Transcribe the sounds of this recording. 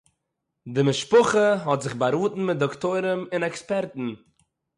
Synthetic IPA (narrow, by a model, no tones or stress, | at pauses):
dɪmɪʃpʊχəɦɔtzɪχbaɾuːtn̩mɪt̚dɔktoɪɾəmɪnɛkspɛɾtn̩